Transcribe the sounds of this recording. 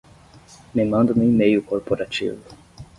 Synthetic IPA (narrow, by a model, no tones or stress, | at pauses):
mɪmɐ̃nd̪ʊmɪimejʊkoɾpoɾat͡ʃḭvʊ